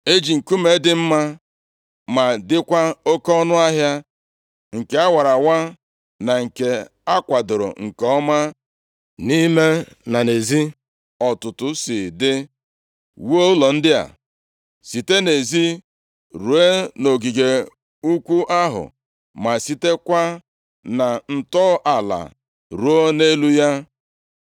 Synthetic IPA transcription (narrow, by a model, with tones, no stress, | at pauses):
e˦d͡ʒi˨ŋ̩˨ku˦me˨˦dɪ˦m̩˦ma˦ | ma˨dɪ˦kʷa˦o˦kɔ˦nʊ˦a˦ɦja˦ | ŋ̩˨ke˦a˦wa˨ɾa˨wa˦ | na˨ŋ̩˨ke˨ | a˦kʷa˨dʊ˨ɾʊ̰˨ŋ̩˨kɔ˦ma˦ | ni˦me˦ | na˨ne˨zi˦ | ɔ˨tʊ˨tʊ˨sɪ˨dɪ˦ | wo˦lɔ˨n̩˦dɪ˦a̰˨ | si˨te˦ne˨zi˦ | ɾu˨e˦no˨ɡi˨ɡe˨ | u˦kʷu˦ʔa˦ɦʊ̰˨ | ma˨si˦te˦kʷa˦ | na˨n̩˨tɔ˦ʔa˨la̰˨ | ɾu˨o˦ne˦lu˦ja˦